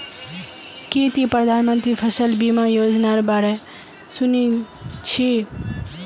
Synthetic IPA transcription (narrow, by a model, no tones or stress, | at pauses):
kiːt̪ipɾəd̪ʱaːnmə̃nt̪ɾiːpʰəsəlbiːmaːjoːd͡ʒnaɾbaːɾɛ | sʊni | t͡ʃʰi